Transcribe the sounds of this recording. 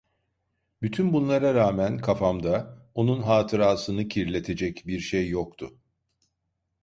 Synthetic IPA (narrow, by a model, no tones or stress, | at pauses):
byt̪ʰynbunlˠaɾaɾaːmænkʰafamd̪ao̞nunɦaːt̪ʰɯɾaːsɯnɯcʰiɾlʲe̞t̪ʰe̞d͡ʒɛcbiɾʃejːokt̪ʰʊ